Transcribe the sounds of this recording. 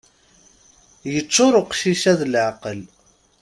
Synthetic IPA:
jət͡sːʊɾʊqʃiʃæðlʕqəl

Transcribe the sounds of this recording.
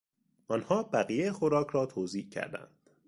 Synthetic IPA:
ʔɒnhɒːbæɣijejexoɾɒːcʰɾɒːt̪ʰoːziːcʰæ̰ɾd̪æ̰nd̪̥

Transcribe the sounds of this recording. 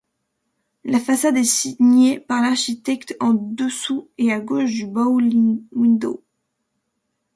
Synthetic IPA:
lafasad̪ɛsiɲepaʁlaʁʃit̪ɛkt̪ɑ̃d̪əsueaɡoʃd̪ybawind̪o̰

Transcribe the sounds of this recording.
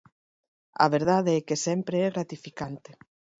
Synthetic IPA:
a̰β̞eɾðaðeɛkesɛmpɾeɛɣɾat̪ifikant̪e̥

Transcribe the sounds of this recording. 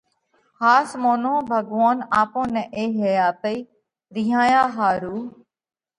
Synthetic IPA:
haːsmoːnõːbʱəɡʋaːnaːpõːnɛʔeːɦejaːt̪əiː | ɾɪːɦãːjãːɦaːɾuː

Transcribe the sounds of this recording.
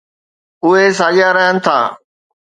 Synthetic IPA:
ʊɦes̬aːʄjaɾəɦənɪ̆t̪ʰa̰ː

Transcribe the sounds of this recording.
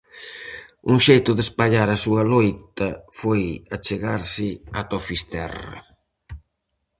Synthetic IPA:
uŋʃejt̪ʊðespaʎaɾasuɐlojt̪ɐfojat͡ʃeɣaɾsɪat̪ofist̪ɛ̰rɐ̰

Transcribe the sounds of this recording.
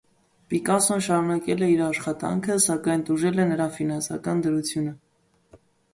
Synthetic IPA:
pikɑsɔnʃɑɾunɑkɛlɛiɾɑʃχɑt̪ɑ̰ŋkʰəsɑkɑjnt̪uʒɛlɛnəɾɑfinɑnsɑ̰kɑnd̪əɾut͡sʰjunə

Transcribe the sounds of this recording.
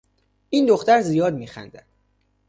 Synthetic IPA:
ʔiːnd̪oxt̪æɾzijɒːd̪miːxæ̰nd̪ænd̪̥

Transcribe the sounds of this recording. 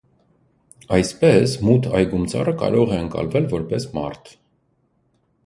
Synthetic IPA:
ɑjspɛsmut̪ʰɑjɡumt͡sʰɑ̰rəkɑ̰ɾɔʁɛəŋkɑ̰lvɛlvɔɾpɛsmɑ̰rt̪ʰ

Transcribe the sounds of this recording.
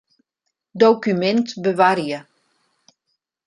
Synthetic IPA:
dowkymɛntbəʋaɾjə

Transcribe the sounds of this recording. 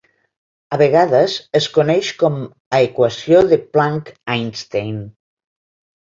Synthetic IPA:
aβeɣaðəzeskonɛʃkɔm | aekwasjoðeplaŋkajnst̪ejn

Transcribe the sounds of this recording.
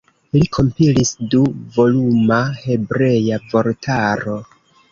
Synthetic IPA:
likʰo̞mpilisduvo̞lumahe̞bɾe̞javo̞ɾtʰaɾo̞

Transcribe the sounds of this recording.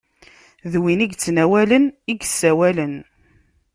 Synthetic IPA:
ðwiniɡt͡sːnæwæləniɡsːæwælən

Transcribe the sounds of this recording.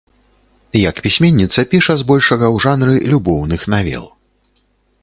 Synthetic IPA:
jɐkpʲisʲmʲɛnʲːit̪sɐpʲiʂɐzbɔlʲʂɐɣɐwʐanɾɨlʲubɔwnɨxnavʲɛ̰lˠ

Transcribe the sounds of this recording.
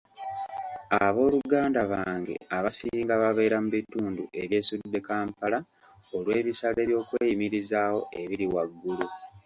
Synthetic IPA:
aβo̞ːluɡaːndaβaːŋɡḛaβasiːŋɡaβaβe̞ːɾamuβituːndue̞βje̞ːsud̪ːe̞kaːmpala | olwe̞ːβisale̞ːβjo̞ːkweːjimiɾizaːho̞ʔe̞βiɾiwaɡːulu

